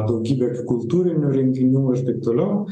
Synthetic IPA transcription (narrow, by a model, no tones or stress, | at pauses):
d̪ɐʊɡʲiːbʲɛkkʊlˠt̪uːɾʲɪnʲuːɾʲɪŋʲkʲɪnʲuːɪɾt̪ɐɪp̚t̪oːlʲɛʊ